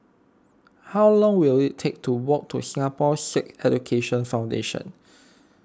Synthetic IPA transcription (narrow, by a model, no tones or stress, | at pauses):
hawlɔ̃ŋwilitʰek̚tʰuwɔk̚tʰusĩŋapɔsɛkɛd͡ʒukʰeʃə̃nfãw̃ndḛʃə̰̃n